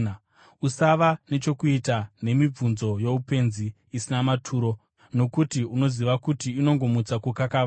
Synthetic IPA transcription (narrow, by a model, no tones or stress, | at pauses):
usaʋane̞t͡ʃo̞kuitane̞mib͡vunzo̞je̞upe̞nziː | sinamatʰuːɾo̞ | no̞kutiuno̞ziʋakutiːno̞ŋɡo̞mut͡sakukakaʋ